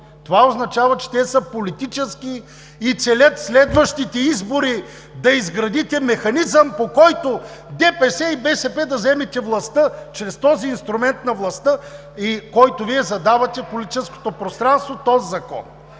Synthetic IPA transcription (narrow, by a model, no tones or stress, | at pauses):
t̪ovaoznɐt͡ʃavɐt͡ʃɛ̥t̪ɛsəpolit̪it͡ʃɛskiː | t̪sɛlʲət̪slɛd̪vɐʃt̪it̪ɛizboɾi | d̪ɐizɡɾɐd̪it̪ɛmɛxɐnizəmpokɔjt̪od̪ɛpɛsɛibɛsɛpɛd̪ɐzɛmɛt̪ʲɛvlˠɐst̪ət͡ʃɾɛst̪ɔziːnst̪ɾumɛnt̪̚nɐvlˠɐst̪ə | ikɔjt̪ʊviɛzɐd̪avɐt̪ʲɛpolit̪i̥t͡ʃɛsko̥t̪opɾost̪ɾanst̪vot̪ɔzzɐkɔ̰n